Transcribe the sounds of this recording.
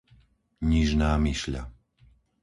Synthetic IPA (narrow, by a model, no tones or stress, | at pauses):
ɲiʒnaːmiʃʎa̰